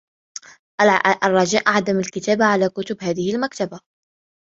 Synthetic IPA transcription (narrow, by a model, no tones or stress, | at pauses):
ʔʔarˤːɑd͡ʒaːʔaʕd̪amalkɪt̪aːbaʕalaːkʊt̪ʊbhaːðɪhɪlmakt̪aba